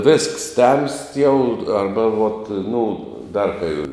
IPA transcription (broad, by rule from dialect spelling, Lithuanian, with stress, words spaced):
ʋʲeːsks tʲɛmst jɛʊ ˈɐrbɐ ʋoːt ˈnʊ ˈdɐr kɐɪ